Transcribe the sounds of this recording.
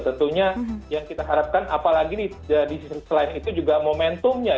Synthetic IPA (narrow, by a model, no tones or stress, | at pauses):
t̪ənt̪uɲajaŋkit̪aɦaɾap̚kanʔa̰palaɡidi | ədissəlaɪnit̪ud͡ʒuɡamomɛnt̪ʊmɲa